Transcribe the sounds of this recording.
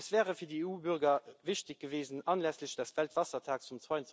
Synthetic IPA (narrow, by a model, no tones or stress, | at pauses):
svɛːʁəfiːɐdəeːuːbyʁɡɐviʃtɪk̚ɡ̥əveːzənɑnlæsləɕd̥ɑsv̥æltv̥ɑsɐtʰaːkt͡sumt͡swaɪənts